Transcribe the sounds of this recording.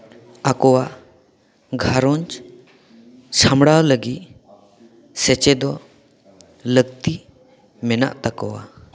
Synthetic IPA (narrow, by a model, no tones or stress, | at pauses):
akɔwa | ɡʱaɾɔnt͡ʃ | samɽawləɡi | sɛt͡ʃɛd̪ɔ | ləɡ̚t̪i | mɛna̰ʔt̪akɔwa̰